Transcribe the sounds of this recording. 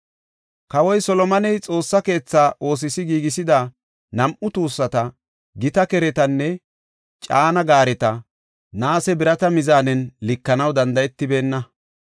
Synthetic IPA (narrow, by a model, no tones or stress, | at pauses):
kɐwɔjsɔlɔmɐnɛjt͡sʼo̞ːsːɐke̞ːt͡sːaːʔo̞ːs̬ɪsɪɡiːɡɪsɪd̪ɐ | nɐmʔʊt̪uːsːɐt̪ɐ | ɡɪt̪ɐkɛɾɛt̪ɐnːɛ | t͡ʃʼaːnɐɡaːɾɛt̪ɐ | naːsɛbɪɾɐt̪ɐmɪzaːnɛnlɪkːɐnɐwd̪ɐnd̪ɐjɛt̪ːɪbe̞ːnːɐ